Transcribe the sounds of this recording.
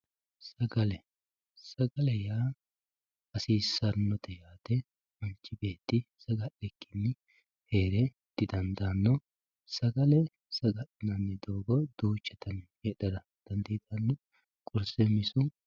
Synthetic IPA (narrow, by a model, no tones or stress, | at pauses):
sɐɡɐlɛ | sɐɡɐlɛjaː | ɐsiːsɐnːɔt̪ɛjaːt̪ɛ | mɐnt͡ʃːɪbe̞ːt̪ːɪsɐɡɐʔɛkːɪnːɪ | heːɾɛ | d̪̥ɪd̪ɐnd̪ɐnːɔ | sɐɡɐlɛ | sɐɡɐʔɛnɐnːɛd̪o̞ːɡɔd̪̥uːt͡ʃːɛt̪ɐnheːɗɐd̪ɐ | d̪̥ɐnd̪ɛːd̪ɐnːɔ | kʼʊɾsɛmɪsʊ